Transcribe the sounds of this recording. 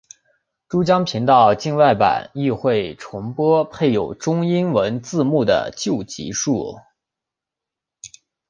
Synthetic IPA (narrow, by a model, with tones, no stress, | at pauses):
ʈ͡ʂu˥t͡ɕjɑ˥ŋpʰi˧˥ŋt̪ɑ˥˧ʊt͡ɕi˥˧ŋwa˥˩ɪpa̰˨˩˦ni˥˧xwe˥˩ɪʈ͡ʂʰʊ˧˥ŋpwɔ˥pʰe˥˩ɪjo˨˩ʊʈ͡ʂʊ˥ŋi˥nwə˧˥nt͡sɹ̩˥˧mu˥˩d̪ə̰˩t͡ɕjo˥˩ʊt͡ɕḭ˧˥ʂu˥˩